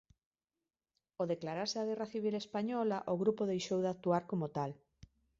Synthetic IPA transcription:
oðeklaɾaɾsɪaɣ̞ɛraθiβ̞ilespaɲɔlaʔoɣɾupoðejʃowðak̚t̪uaɾkomot̪al

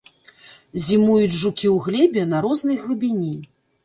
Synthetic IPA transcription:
zʲimujud͡zʲʐukʲiwɣlʲɛbʲɛnɐɾɔznɨlˠɨbʲinʲi

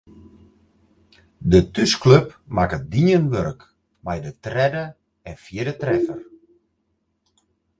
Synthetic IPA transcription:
dətyskløpmakət̚diənʋørk | majdətrɛdə | ɛnfjɪdətrɛfər

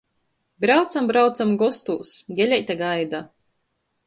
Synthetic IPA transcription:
bɾawt̪sambɾawt̪samɡɔst̪uːsɡʲɛlʲɛjt̪aɡajd̪a

